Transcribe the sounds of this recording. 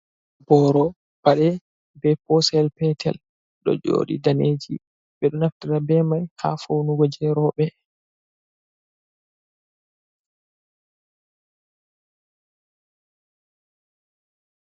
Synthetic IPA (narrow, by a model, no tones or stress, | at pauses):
bɔɾɔ | b̥aɗɛ | bɛpɔsɛlpɛtʰɛ̰l | ɗɔ̰d͡ʒo̰ːɗḭdaned͡ʒi | ɓɛɗɔnaftiɾabɛmajha̰fownuɡɔd͡ʒɛɾɔɓɛ